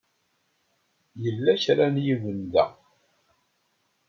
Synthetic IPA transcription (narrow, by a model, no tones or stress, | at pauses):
jəlːæçɾanjivənd̪æ̰